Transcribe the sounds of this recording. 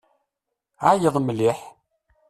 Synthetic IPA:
ʕajəðˤmliħ

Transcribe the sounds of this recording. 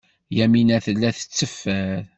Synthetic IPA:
jæminæθəlːæθə̥t͡sːəfːæð

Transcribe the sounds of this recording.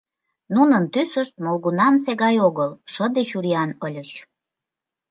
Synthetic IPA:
nunənt̪ysəʃt̪̚molɣunɑmseɣɑjoɣəlʃəd̪et͡ɕuɾiɑnəlʲət͡ɕ

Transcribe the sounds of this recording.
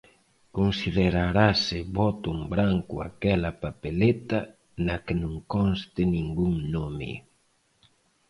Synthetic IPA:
konsiðeɾaɾasɪβɔt̪ʊmbɾaŋkʊa̰kɛlɐpapelet̪ɐ | nakɪnõŋkɔnst̪ɪnĩŋɡuŋnomɪ̰

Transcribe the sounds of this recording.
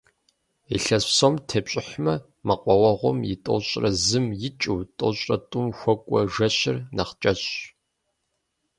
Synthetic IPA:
iɬɐɕsomtʰepɕʼɪħmɐ | mɐqʷʼɔwɐʁʷɔmjɪtʼo̰ɕʼrɐzɨmjɪt͡ʃʼuːtʼo̰ɕʼɐtʼʊmxʷɔkʷʼɔʒɐɕɪrnɐχt͡ʃʼɐɕ

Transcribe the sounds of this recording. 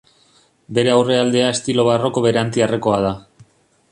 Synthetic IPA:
be̞ɾe̞awre̞ald̪e̞ae̞st̪ilo̞β̞aro̞ko̞βe̞ɾeant̪iareko̞að̞a

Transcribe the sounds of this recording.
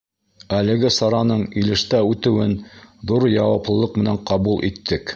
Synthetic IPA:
ælɘ̆ɡɘsɑɾɑnɤɴilɘ̆ʃt̪æʉt̪ɘ̆wɘnðuɾjɑwɑplˠɤ̆lˠɤq̚mɘ̆næŋqɑβulˠʔit̪ːɘk

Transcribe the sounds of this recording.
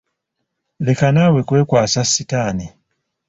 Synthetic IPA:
le̞kanaːwe̞kwe̞ːkwaːsasːitaːni

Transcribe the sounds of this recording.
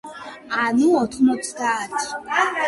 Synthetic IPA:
anuɔt̪ʰχmɔt̪sʰd̪aːt̪ʰi̥

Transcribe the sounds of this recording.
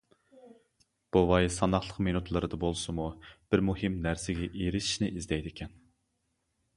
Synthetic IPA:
b̥owɑjsɑnɑχlˠəqmenut̪ʰlˠɨɾɨd̪ɑbolˠsɨmub̥ɪɾmuhɨmnæɾsɪɡʲɛʔeɾɪʃi̥ʃnɪʔizd̪ɛjd̪ɪkʲʰɛn

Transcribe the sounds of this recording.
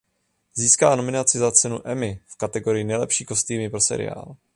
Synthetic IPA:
ziːskaːno̞mɪnat͡sɪzat͡sɛnuʔɛmɪfkat̪ɛɡo̞ɾɪjɪnɛjlɛpʃiːko̞st̪iːmɪpɾo̞sɛ̰ɾɪ̰a̰ːl

